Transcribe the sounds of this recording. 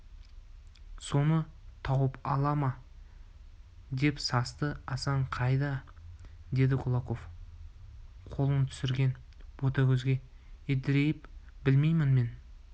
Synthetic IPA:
so̞nət̪ʰɑwəpɑlˠɑmɑ | d̪e̞psɑst̪əɑsɑɴqʰɑjd̪ɑ | d̪e̞d̪ɪqʰʊlˠɑqo̞f | qʰolˠənt̪ʰʏ̥sɪɾɡʲe̞n | b̥ot̪ɑkʲʰɵzɡʲe̞ | ed̪ɪɾe̞jɪpbɪlme̞jmɪnme̞n

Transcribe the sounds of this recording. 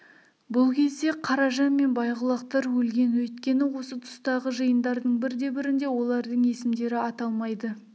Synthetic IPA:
bʊlˠkʲʰe̞zd̪e̞qʰɑɾɑʒɑnme̞nbɑjʁəlˠɑqt̪ɑɾwɵlɡʲe̞nwɵjt̪kʲe̞nɪwo̞sət̪ʰʊ̥st̪ɑʁəʒəjənd̪ɑɾd̪əɴbɪɾd̪e̞bɪɾɪnd̪e̞wo̞lˠɑɾd̪əɴe̞sɪmd̪e̞ɾɪɑt̪ɑlˠmɑjd̪ə

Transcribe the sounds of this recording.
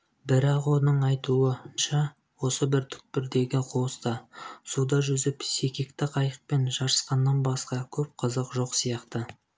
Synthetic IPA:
bɪɾɑqwo̞nəɴɑjt̪uəʃɑ | wo̞səbɪɾt̪ʰʏ̥k̚pɪɾd̪e̞ɡʲɪqʰoəst̪ɑsud̪ɑʒʏzɪpsekʲekt̪ɪqʰɑjəq̚pe̞nʒɑɾəsqɑnːɑnbɑsqɑkʲʰɵp̚qʰəzəqʒoqsijɑqt̪ə

